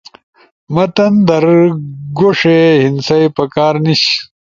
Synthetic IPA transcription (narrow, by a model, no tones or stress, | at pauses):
mɐt̪ɐnd̪ɐɾɡoʂehinsɐjpɐkaːɾniɕ